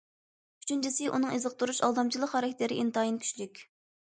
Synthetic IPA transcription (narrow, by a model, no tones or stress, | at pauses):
y̥t͡ʃʰynt͡ʃʰisɨʔunɨŋezɨq̚t̪uɾuʃɑ̰lˠd̪ɑmt͡ʃʰilˠəqhɑɾɛkʲt̪ɪɾɪʔint̪ɑjinkʲʰy̥ʃlykʲ